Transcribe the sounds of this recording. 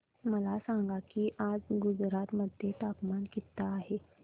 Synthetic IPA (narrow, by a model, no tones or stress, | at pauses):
məlasãŋɡakiːʔad͡zɡud͡zɾat̪məd̪ʱjet̪apmankit̪ːaːɦe